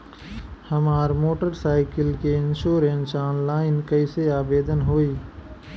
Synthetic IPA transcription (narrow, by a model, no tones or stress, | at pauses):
hɐmaːɾmoːʈəɾsaːɪkəlkeɪ̃nʃoːɾẽnsɔːnlaːɪnkəɪseaːbeːd̪ənɦoːiː